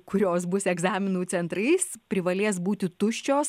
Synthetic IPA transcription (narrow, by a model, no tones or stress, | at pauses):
kʊɾʲoːs̬bʊsʲɛɡzɑːmʲɪnuːt͡sʲɛnt̪ɾɐɪspʲɾʲɪʋɐlʲeːs̬buːt̪ʲɪt̪ʊʃʲt͡ʃʲoːs